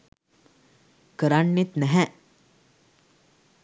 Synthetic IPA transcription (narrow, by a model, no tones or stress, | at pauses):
kəɾanːit̪næɦɛ